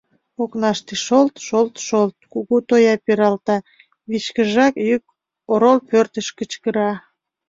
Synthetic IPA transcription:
oknɑʃt̪eʃolt̪ʃolt̪ʃolt̪̚kuɣut̪ojɑpeɾɑlt̪ɑ | βit͡ɕkəʒɑkjyk̚ | oɾolpørt̪əʃkət͡ɕkəɾɑ

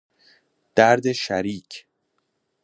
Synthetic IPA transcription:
d̪̥æɾd̪eʃæɾiːcʰ

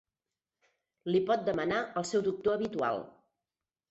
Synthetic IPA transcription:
lipɔt̪̚d̪əmənaʔəlˠsɛwd̪uk̚t̪oəβit̪ua̰lˠ

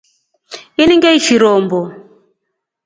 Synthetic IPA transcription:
iniŋɡɛit͡ʃiɾɔːmbɔ

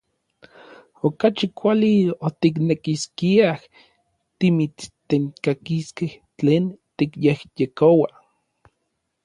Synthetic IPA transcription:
okat͡ʃikʷaliot̪iknekiskiah | t̪imit͡st̪eŋkakiskeht͡ɬeːnt̪ikjehjekowa

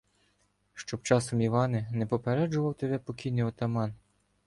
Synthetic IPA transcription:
ʃt͡ʃɔpt͡ʃɑsɔmiʋɑnɪnɛpɔpeɾɛd͡ʒʊʋɐwt̪ebɛpɔkʲijnɪjɔt̪ɐmɑn

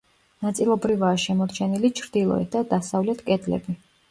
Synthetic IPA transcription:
nat̪sʼilˠɔbɾivaːʃɛmɔɾt͡ʃʰɛnilit͡ʃʰɾd̪ilˠɔ̰ɛ̰t̪̚d̪ad̪asavlɛt̪ʰkʼɛd̪lɛ̰bi

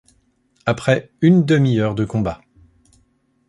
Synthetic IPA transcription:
apχɛ | ynd̪əmiœʁd̪əkɔ̃ba

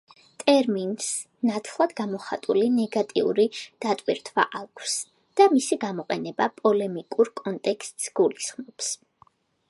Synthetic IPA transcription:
t̪ʼɛɾmins | nat̪ʰlˠad̪ɡamɔχat̪ʼulinɛɡat̪ʼiṵɾid̪̥at̪ʼwiɾt̪ʰwa̰ʔakʰs | d̪̥amisiɡamɔqʼɛnɛbapʼɔlɛmikʼuɾkʼɔnt̪ʼɛkʰst̪ʼsɡ̥ulisχmɔps

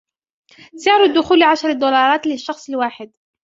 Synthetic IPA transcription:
sɪʕɾʊd̪ːʊxuːlʕaʃɾˤɪd̪uːlɑːɾˤɑːt̪lɪʃːɑxsˤɪlwaːħɪd̪̚

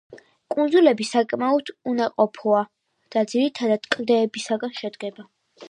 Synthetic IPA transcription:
kʼund̪zulɛbisakʼmaɔd̪̥unaqʼɔpʰɔa | d̪̥ad̪ziɾit̪ʰad̪ad̪̥kʼld̪ɛːbisaɡanʃɛd̪ɡɛba

